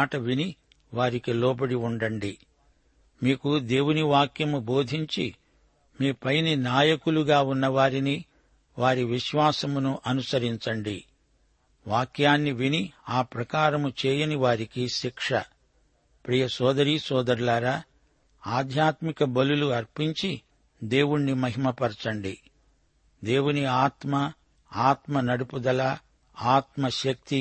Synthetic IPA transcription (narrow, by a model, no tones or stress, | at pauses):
aːʈɐʋini | ʋaːɾikilɔːbɐɽiuɳɖɐɳɖi | miːkud̪e̞ːwuniʋaːkjɐmubo̞ːd̪ʱiɲt͡ʃi | miːpɐjninaːjɐkuluɡaːunːɐʋaːɾini | ʋaːɾiʋiʃʋaːsɐmunuʔɐnusɐɾiɲt͡ʃɐɳɖi | ʋaːkjaːnːiʋiniaːpɾɐkaːɾɐmut͡ʃɛːjɐniʋaːɾikiʃikʂɐ | pɾijɐsɔːd̪ɐɾiːsɔːd̪ɐɾlaːɾa | aːd̪ʱjaːt̪mikɐbɐluluɐɾpiɲt͡ʃi | d̪e̞ːwuɳːimɐɦimɐpɐɾt͡ʃɐɳɖi | d̪e̞ːwuniaːt̪mɐ | aːt̪mɐnɐɽupud̪ɐlɐ | aːt̪mɐʃɐk̚t̪i